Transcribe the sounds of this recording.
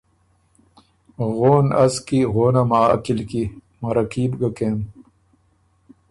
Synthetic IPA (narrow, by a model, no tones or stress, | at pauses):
ɣoːnɐskiɣoːnamaːɐ̰kilki | mɐɾɐkiːbɡakeːm